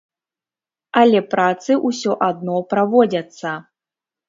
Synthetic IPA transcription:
ɐlʲɛpɾat̪sɨʔusʲɔʔad̪̚nɔpɾavɔd͡zʲɐt̪sːɐ

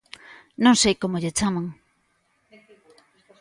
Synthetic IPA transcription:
nonsejkomoʎet͡samaŋ

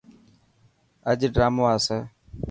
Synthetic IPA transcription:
əd͡ʒɖɾaːmoːaːsəː

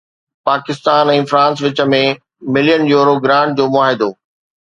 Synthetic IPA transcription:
paːkɪst̪aːnɛ̃ːfɾãːns̬ʋɪt͡ɕə̆mẽ | mɪlijənjuːɾoɡɾãːɳʈ̚d͡ʑoːmʊaːɦɪd̪oː

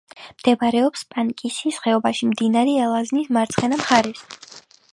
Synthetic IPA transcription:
md̪̥ɛbɾɛɔpspʼaŋkʼisisχɛɔbaʃimd̪inaɾɛɛlˠaznismaɾt̪sʰχɛnamχaɾɛs

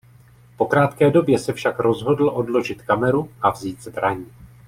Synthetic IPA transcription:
po̞kɾaːt̪kɛːdo̞bjɛsɛfʃakɾo̞zɦo̞dl̩ʔo̞dlo̞ʒɪt̪kamɛɾuʔavziːd̪zbɾaɲiː

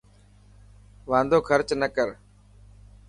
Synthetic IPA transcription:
ʋãːnd̪ʱoːkʰəɾt͡ʃnəkəɾ

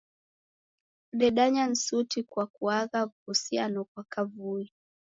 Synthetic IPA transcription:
ɗɛɗaɲan̩sutikwakuaɣavuhusianɔkwakavui

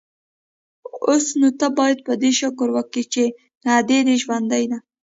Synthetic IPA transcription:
osnot̪abɑjad̪̚pəd̪eʃʊkəɾwəkit͡ʃe | nad̪ed̪eʒwand̪ajna

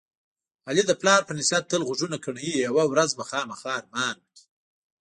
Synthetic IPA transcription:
alid̪əplɑːɾpənɪsat̪̚t̪ːəlɣʊʐunakəɳjijawawɾazbaxɑːmaxɑːɾmɑːnwəki̥

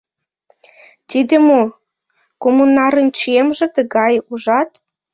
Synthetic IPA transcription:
t̪id̪ĕmo | komunɑɾə̆nt͡ɕiemʒĕt̪ə̆ɣɑjuʒɑt̪

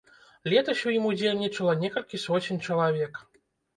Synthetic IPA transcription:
lʲɛt̪ɐɕʲujimud͡zʲelʲnʲit͡ʂɐlˠɐnʲɛkɐlʲkʲisɔt͡sʲinʲt͡ʂɐlˠavʲɛk

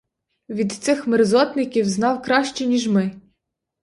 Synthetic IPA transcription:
ʋʲid̪t̪sɪxmɪɾzɔt̪nɪkʲiwznɑwkɾɑʃt͡ʃɛnʲiʒmɪ

